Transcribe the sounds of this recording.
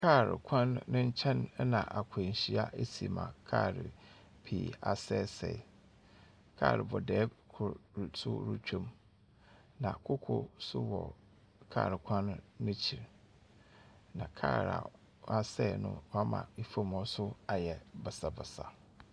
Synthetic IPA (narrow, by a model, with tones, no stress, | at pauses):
kʰa˦˨ɾɪ̰˨kʷʰã˦nːʊ̃˦ɲ̩˦t͡ɕʰɛ̃˦n˦nã̰˨ʔa˨kʰe˨ɲ̩˨ɕi˦a˦ʔe˦si˨mã̰˨kʰaː˦˨ɾɪ̰˨ | pʰḭː˨a˨sɛː˦˨sɛ˨ | kʰaː˦˨ɾɪ˨bɔ˨dɛː˨˦kʰʊ˨sʊ̰˦ɾu˦t͡ɕʰᶣũ˦m | nã˨kʰʊ˦kʰo̰˦sʊ̰˦wɔ˨ | kʰaː˦˨ɾɪ˨kʷʰã˦nːʊ̃˦t͡ɕʰi˨ɾ | nã̰˨kʰa̰ː˦˨ɾa̰˨˦ | a˦sɛ˦˨nʊ̰̃˦mã̰˨i˨fo˦mɔ˦sʊ˦a˨jɛ˨bɛ˨sa˨bɛ˨sa˨